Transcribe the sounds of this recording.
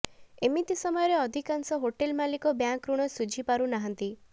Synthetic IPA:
emit̪isɔmɔjɔɾeɔd̪ʱikansɔɦoʈelmalikɔbjaŋkɾuɽ̃ɔsud͡ʒʱipaɾunaɦant̪i

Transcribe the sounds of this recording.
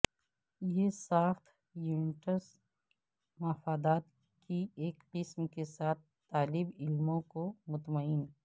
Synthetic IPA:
jesaːxt̪ʰ | juːnɪʈəs | mɐfaːd̪aːt̪ | kieːkpɪsmkesaːt̪̚ʰ | t̪ːaːlɪbɪlmõkomʊt̪məɪn

